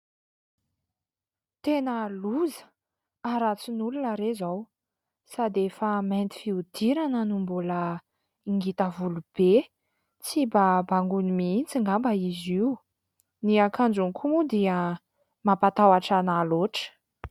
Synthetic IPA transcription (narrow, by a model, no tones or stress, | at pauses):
t̪enəluzə̥ | aɾat͡sinulunəɾezaw | sad̪efəment̪i̥fiud̪̥iɾanənumbulə | iŋɡit̪əvulub̥e | t͡sibabaŋɡunimint͡siŋɡambəiziu | niakand͡ʒunkʰumud̪iə | mapat̪awaʈ͡ʂanaloʈ͡ʂə̥